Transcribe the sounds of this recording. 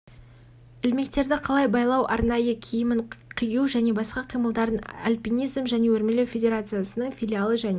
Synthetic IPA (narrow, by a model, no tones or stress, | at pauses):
ɪlme̞k̚t̪e̞ɾd̪ɪqʰɑlˠɑjbɑjlˠɑwʔɑ̰ɾnɑjəkʲʰijɪmɪɴqʰijəwʒæne̞bɑsqɑqʰijməlˠd̪ɑɾənalʲpʲinijzmʒæne̞wɵɾme̞lewfʲe̞dʲe̞ɾat̪sɨjasənəɴfʲijlʲialˠəʒæne